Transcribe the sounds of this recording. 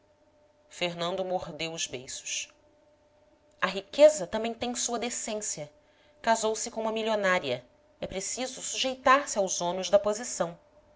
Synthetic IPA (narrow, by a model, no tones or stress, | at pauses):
feɾnɐ̃nd̪ʊmoɦd̪ewʊzbejsʊ̥ʃ | ɐɦikezɐt̪ɐ̃mbẽj̃t̪ẽj̃suɐd̪esẽsiɐ | kazowsɪkõũmɐmilionaɾiɐ | ɛpɾesizʊsuʒejt̪aɾsɪawzõnʊ̃ʒd̪ɐpozisɐ̃w̃